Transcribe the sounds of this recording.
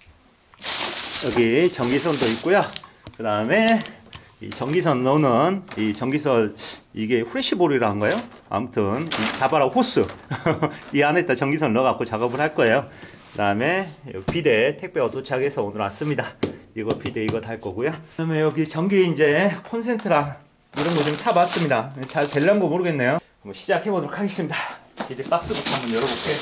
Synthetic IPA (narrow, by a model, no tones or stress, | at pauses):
jʌɡit͡ɕʌŋɡisʰʌndoit̚k͈ojokɯdaɯme̞ | ḭt͡ɕʌŋɡis̬ʰʌnːʌnɯnit͡ɕʌŋɡisʰʌniɡe̞ɸuɾeɕ͈ʰiboɾiɾaɯnɡʌejoa̰mutʰɯnit͡ɕabaɾaɸos͈ʰɯ | iɡeane̞t͈at͡ɕʌŋɡis̬ʰʌnnʌɡak͈ot͡ɕaɡʌbɯɭɦaɭk͈ʌe̞jokɯdaɯmejʌpide̞tʰek̚p͈jeʌtʰot͡ɕʰaɡe̞sʰʌonɯɭas͈ɯmɲidaiɡʌpide̞iɡʌtʰaɭk͈ʌɡujoamejʌɡit͡ɕʌŋɡiind͡ʑe̞kʰʌnsʰe̞ntʰɯɾa | iɾʌnɡʌt͡ɕʰomt͡ɕʰabas͈ɯmɲidaet͡ɕaɭte̞ɭːanɡomoɾɯɡe̞nːejo | mʌɕʰid͡ʑakhe̞bodoɾokʰaɡe̞s͈ɯmɲidapidep͈ak̚s͈ɯɡutʰamɯjʌɾʌbok͈e